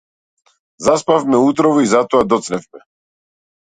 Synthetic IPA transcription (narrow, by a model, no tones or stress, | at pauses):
zaspavmɛuːt̪ɾɔvɔizat̪oad̪ɔt̪snɛvmɛ